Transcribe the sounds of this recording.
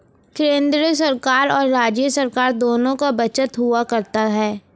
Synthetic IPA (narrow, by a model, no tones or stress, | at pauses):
kɪɾẽːnd̪ɾsɐɾkaːɾɔːɾːaːd͡ʒjəsɐɾkaːɾd̪oːnõkabɐt͡ʃət̪ɦʊakɐɾt̪aɦɛː